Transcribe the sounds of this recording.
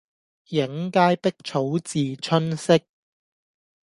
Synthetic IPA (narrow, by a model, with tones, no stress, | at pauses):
jɪ˨˥ŋkaː˥jpɪ˥k̚t͡ʃʰo˨˥wt͡siː˨t͡ʃʰɵ˥nsɪ˥k̚